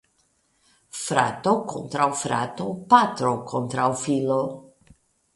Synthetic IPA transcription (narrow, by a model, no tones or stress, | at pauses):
fɾa̰t̪okont̪ɾawfɾa̰t̪opat̪ɾokʰont̪ɾawfilo